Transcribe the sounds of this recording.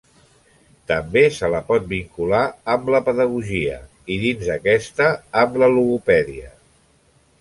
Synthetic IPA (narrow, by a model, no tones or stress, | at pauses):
t̪əmbesələpɔt̪̚biŋkulaəmləpəðəɣ̞uʒiə̰ | iðinzəkɛst̪əːmləluɣupɛðiə